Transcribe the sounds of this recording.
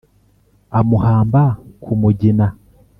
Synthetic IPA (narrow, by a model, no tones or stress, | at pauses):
amuhaːmbakʰumuɟina